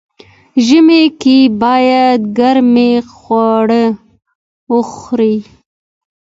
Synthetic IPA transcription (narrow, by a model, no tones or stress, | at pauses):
ʒəmekebɑjad̪̚ɡaɾmexwaɽə | wəxɾi